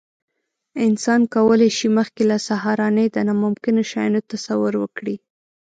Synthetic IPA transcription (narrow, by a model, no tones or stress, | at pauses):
ɪnsɑnkawəlajʃiməxkelasaɦɑɾɑnəjd̪ənamʊmkɪnoʃɑjnot̪asawʊɾwə̰kɽi